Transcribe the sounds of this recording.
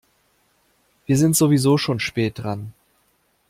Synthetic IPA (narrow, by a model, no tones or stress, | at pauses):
v̥iːɐzɪntz̥ovizoːʃoːnʃpɛːt̚d̥ʁan